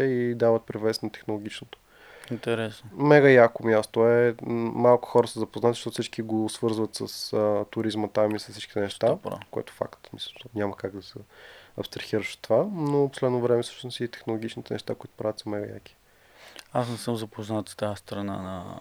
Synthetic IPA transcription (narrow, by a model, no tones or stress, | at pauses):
ɛid̪avət̪̚pɾivɛsnɐt̪ɛ̥xnolˠoɡʲit͡ʃnot̪o̥ | int̪ɛɾɛsnomɛɡəjakomjast̪oɛmalˠkʊ̥xɔɾəsəzɐpoznat̪i̥ʃt̪ɔt̪ʊsit͡ʃkiɡosvɤɾzvət̪səsət̪ʊɾizmət̪amisɐsːit͡ʃkʲi̥t̪ɛnɛʃt̪a̰koɛ̰t̪ʊ̥fa̰kt̪misnʲaməkaɡd̪ɐsɛɐ̰pst̪ɾɐxiɾəʃo̥t̪ːovanoposlɛd̪novɾɛmɛsɤ̥ʃt̪osnsit̪ɛ̥xnolˠoɡ̟ʲit͡ʃnit̪ɛnɛ̰ʃt̪akoit̪o̥pɾavʲət̪zəmɛɡəja̰ki̥ | asnɛsɤmzɐpoznat̪st̪ajəst̪ɾɐna̰nɐ̰